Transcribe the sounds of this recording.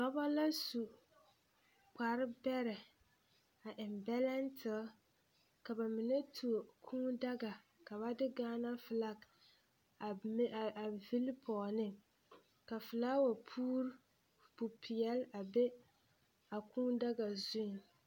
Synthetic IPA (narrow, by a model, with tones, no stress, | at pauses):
tɔ˦ba˦la˦su˨ | k͡pa˨ɾɪ˦bɛ˦ɾɛ˨ | a˨ʔɪ˨mbɛ˦la˦ntʰɪ˨˦ | ka˨ba˨mɪ˨nɛ˦tʰu˨o˨kʰuː˦da˦ɡa˨ | ka˨ba˦dɪ˦ɡaː˦na˦fɨ˨la˦k | a˨vi˦lpʰɔː˨nɪ˦ | ka˨fɨ˨la˦wa˨pʰuː˦ɾ | bu˨pʰi˨jɛ˦la˨be˦ | a˨kuː˦da˦ɡa˨zʊ˦˨n